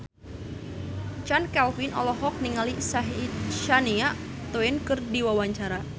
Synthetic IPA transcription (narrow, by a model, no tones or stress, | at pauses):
t͡ʃankɛlfinʔɔ̰lɔɦɔk̚niŋalisaɦit̪̚ʃaniaʔ | t̪oɛnkɨrdiwawaɲt͡ʃaɾa